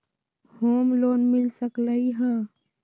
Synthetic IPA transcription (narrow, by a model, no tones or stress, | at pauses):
hoːmloːnmɪlsəkləiɦɛː